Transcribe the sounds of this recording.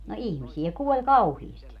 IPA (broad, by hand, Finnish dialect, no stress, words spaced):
no ihmisiæ kuolʲ kɑuhiːsti